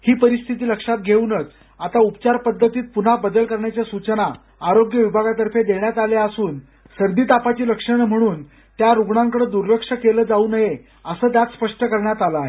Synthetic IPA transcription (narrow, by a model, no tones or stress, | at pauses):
hiːpəɾist̪ʰit̪iːləkʂat̪̚ɡʱeunət͡s | at̪aupt͡ɕaɾpəd̪ʱːət̪iːt̪̚pun̤abəd̪əlkəɾɳjat͡ɕjasut͡ɕənaː | ɾoɡjəʋibʱaɡat̪əɾfed̪eɳjat̪aleasuːn | səɾd̪iːt̪apat͡ɕiːləkʂəɳm̤əɽ̃uːn | t̪jaɾuɡɳaŋkəɽəːd̪uɾːəkʂəkeləːd͡zauːnəɦe | əsəːt̪̬jat̪spəʂʈəkəɾɳjat̪aləaɦe